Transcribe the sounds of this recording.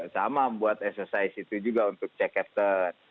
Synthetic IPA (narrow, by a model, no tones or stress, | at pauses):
samabuat̪ɛksərsaisit̪ud͡ʒuɡaunt̪ʊk̚t͡ʃɛkɛt̪ən